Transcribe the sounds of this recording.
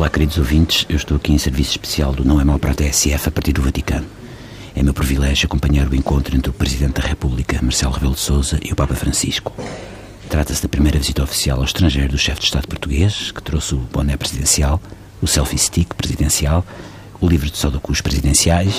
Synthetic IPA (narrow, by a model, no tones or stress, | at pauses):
olˠakɨɾiðuzovĩnt̪ʃewʃt̪oɐkiẽsɨɾvisu̥ʃpɨ̥sialˠd̪unɐ̃w̃ɛmawpɐɾɔt̪eɛsɛfɐpɐɾt̪iɾðuvɐt̪ikɐnu | ɛmewpɾivilˠɛʒjuɐkõmpɐɲaɾuẽŋkõnt̪ɾuẽnt̪ɾupɾɨziðẽnt̪ðɐʁɛpuβlˠikɐmɐɾsɛlˠʁɨβɛlˠd̪sozɐʔiupapɐfɾɐ̃siʃku̥ | t̪ɾat̪ɐsðɐpɾimɐjɾɐvizit̪ɐɔfi̥sia̰lˠawʃt̪ɾɐ̃ʒɐjɾuðuʃɛfd̪ʃt̪aðpuɾt̪uɣeʃkɨ̥t̪ɾosuβõ̰nɛpɾɨziðẽsialˠ | usɛlˠfist̪ikpɾɨziðẽsialˠ | ulˠivɾðsɔðukuʃpɾɨziðẽsiajʃ